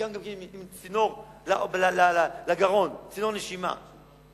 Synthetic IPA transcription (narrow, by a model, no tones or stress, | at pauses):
amɡammimt͡sinoʁlaʔblalalalaɡaʁo̞nt͡sinoneʃima̰